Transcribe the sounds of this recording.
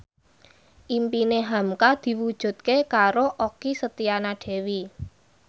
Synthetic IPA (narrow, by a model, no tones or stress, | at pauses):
ʔimpineɦamkad̪̥i̤wud̥ʒ̥ṳt̪̚kekaɾoʔokisət̪ianaɖ̥ɛ̤wi